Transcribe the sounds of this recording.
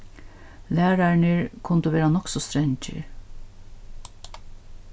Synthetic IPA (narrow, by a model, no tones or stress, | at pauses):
læːɾaɹnəɹkʰʊnt̪əʋeːɾanɔksɔst̪ɾɛɲt͡ʃə̰ɹ